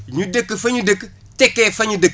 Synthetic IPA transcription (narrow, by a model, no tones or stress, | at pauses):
ɲudəkːəfɐɲudək | tɛkːefɐɲudək